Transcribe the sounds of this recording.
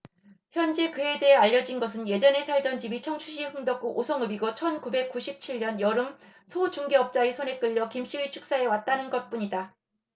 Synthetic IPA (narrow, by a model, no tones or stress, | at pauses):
çjʌnd͡ʑe̞kɯe̞de̞ɦeaʎːʌd͡ʑinɡʌs̬ʰɯnje̞d͡ʑʌne̞sʰaɭdʌnd͡ʑibit͡ɕʰʌŋt͡ɕʰuɕ̬ʰiɸɯŋdʌk̚k͈oʔosʰʌŋɯbiɡʌt͡ɕʰʌnkube̞k̚k͈uɕʰip̚t͡ɕʰiʎɲʌnjʌɾɯmsʰot͡ɕuŋɡeʌp̚t͡ɕ͈aisʰone̞k͈ɯʎːʌkimɕ͈iɡit͡ɕʰu̥k̚s͈ae̞wat̚t͈anɯnɡʌt̚p͈uɲida